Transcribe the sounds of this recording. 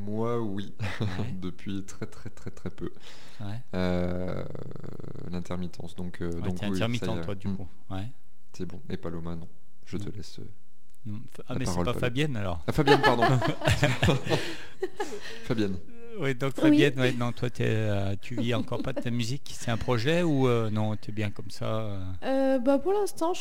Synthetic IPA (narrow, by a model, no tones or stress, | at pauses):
mwa | wi | d̪əpʰɥit̪χɛt̪χɛt̪χɛt̪χɛpø | wɛ | ø | lɛ̃t̪ɛʁmit̪ʰɑ̰̃sd̪ɔ̃kʰødwɛɔ̃k̪ɛɛ̃t̪ɛʁmit̪ɑ̃wad̪yku | wɛ | t̪yɛbɔ̃epalomanɔ̃ | ʒət̪əlɛsø̰ | nɔ̃ | aamɛsʁɛɔpafabjɛnalɔʁfabjjɛnpaʁd̪ɔ̃ | fabjɛn | wid̪ɔ̃kfabjɛnwɛnːɔ̃t̪wat̪yɛ̰ | ø | t̪ʰyviɑ̃kɔʁpad̪t̪amyziksɛɛ̃pχɔʒɛuønɔ̃t̪yɛbjɛ̃kɔmsa | ø | øbapuʁlɛ̃st̪ɑ̃